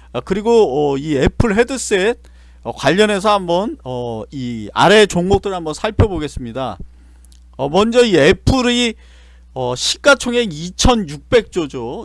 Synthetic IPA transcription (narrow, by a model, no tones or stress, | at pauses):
kɯɾiɡoʌie̞pʰɯɭɦe̞dɯs͈e̞t̚ | ʌkwaʎːʌne̞s̬ʰʌhambʌnʌia̰ɾe̞t͡ɕoŋɡok̚t͈ɯɾɭambʌnsʰaɭpʰjʌboɡe̞s͈ɯmɲida̰ | ʌmʌnd͡ʑʌie̞pʰɯɾi | ʌɕʰi̥k͈at͡ɕʰoŋɦeŋit͡ɕʰʌnjuk̚p͈e̞k̚t͡ɕ͈od͡ʑo